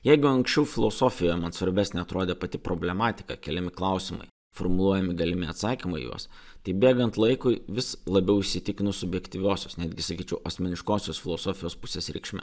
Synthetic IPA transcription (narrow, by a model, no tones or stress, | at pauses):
jɛɪɡʊɐŋksʲt͡ʃʲɛʊfʲɪlˠoːsoːfʲɪjoːjɛmɐnsʋɐɾʲbʲæːsʲnʲeɐt̪ɾoːd̪ʲeːpɐt̪ʲɪpɾoːbʲlʲɛmɑːt̪ʲɪ̥kɐ̰kʲɛlʲɛmʲɪklˠɐʊsʲɪmɐ̰ɪ | fɔɾmʊlˠuɔjɛmʲɪɡɐlʲɪmʲɪɐt̪sɑːkʲimɐ̰jṵɔs | t̪ɐɪbʲeːɡɐnt̪lˠɐɪkʊɪʋʲɪslˠɐbʲɛʊɪʃʲsʲɪt̪ʲɪkʲɪnʊsʊbʲjɛkt̪ʲiːʋʲoːsʲoːsnʲæːd̪ʲɡʲɪsɐkʲiːt͡ʃʲɛʊʔɐsʲmʲɛnʲɪʃkoːsʲoːsfʲɪlˠoːsoːfʲɪjoːspʊsʲeːsɾʲɛɪkʃʲmʲɛ̰